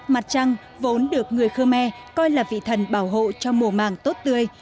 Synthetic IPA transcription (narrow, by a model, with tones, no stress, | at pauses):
ma˨˩t̚t͡ɕa˧ŋ | vo˨˦nɗɨ˨˩ək̚ŋɨ˨˩əjxəː˧mɛ˧ | kɔ˧jlaː˨˩vḭ˧˨t̪ʰə˨˩nɓaː˧˩wɦo̰˧˨t͡ɕɔ˧mu˨˩əma̰ː˨˩ŋt̪o˦˥t̚t̪ɨ˧əj